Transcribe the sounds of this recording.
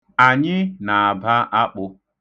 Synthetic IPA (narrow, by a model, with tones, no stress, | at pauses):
a˨ɲɪ˦na˨a˨ba˦ʔa˦k͡pʊ˦